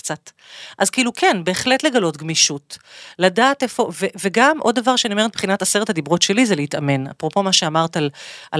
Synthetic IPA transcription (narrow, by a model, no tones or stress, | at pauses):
kt͡sat | ʔazkeilukʰenbe̞ːχle̞tle̞ɡalo̞tɡmiʃutladaːtefo̞veveɡamʔo̞d̪̚davaʁʃeanime̞t̚b̥χinataseʁethadibʁo̞tʃe̞lizeleitame̞na̰pʁo̞po̞maʃeamaʁtalʔa